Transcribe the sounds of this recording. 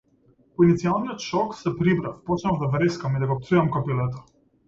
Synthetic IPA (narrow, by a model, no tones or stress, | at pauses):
pɔinit̪sialˠnijɔt̪ʃɔksɛpɾibɾafpɔt͡ʃnavd̪avɾɛskamid̪aɡɔp̚t̪sujamkɔpilɛt̪̬ɔ̥